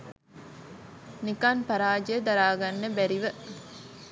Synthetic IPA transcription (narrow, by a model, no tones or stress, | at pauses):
nikanpɐɾaːd͡ʒed̪ɐɾaːɡɐnːebæɾiʋə